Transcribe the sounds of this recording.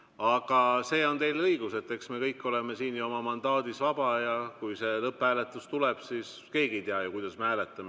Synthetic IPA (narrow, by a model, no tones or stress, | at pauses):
ɑɡ̥ɑse̞ːo̞nt̪e̞jlɤiɡ̥use̞t̪ːˑe̞ksme̞kɤjkːˑo̞le̞me̞siːnjuo̞mɑmɑnd̪̥ɑːd̪̥isvɑb̥ɑjɑkujse̞lɤpːhæːle̞t̪ːˑust̪uleb̥siːs | ke̞ːɡiejt̪eɑjukujd̪̥ɑsmehæːlet̪ːˑɑme